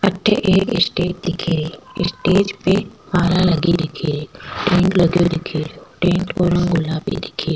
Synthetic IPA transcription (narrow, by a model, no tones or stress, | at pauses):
ɐʈʰːʔeːkɪ̰sʈeːd͡ʒd̪ɪkʰiɾeɪ̰sʈeːd͡ʒpemaːlalɐɡid̪ɪkʰiɾeːʈẽːŋləɡjod̪ɪkʰiːɾjoʈẽːɳʈoːɾə̃nɡʊlaːbḭd̪ɪkʰi